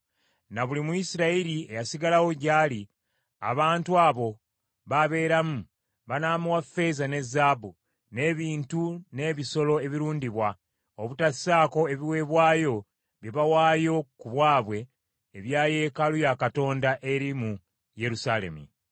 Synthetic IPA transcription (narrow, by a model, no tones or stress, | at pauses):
naβulimuisiɾaiɾie̞jasiɡalawo̞ɟaːli | a̰βaːntuaːβo̞ | βaβe̞ːɾamu | βanaːmuwafe̞zane̞zːaːbu | ne̞ːβiːntune̞ːβiso̞lo̞e̞βiɾuːndiβwa | oβutḁsaːko̞e̞βiwe̞ːβwaːjo̞ | βjeβawaːjo̞kuβwaːβwe̞ː | βjaːje̞kalujakato̞ːndaʔe̞ɾimu | je̞ɾusaːle̞̰mṵ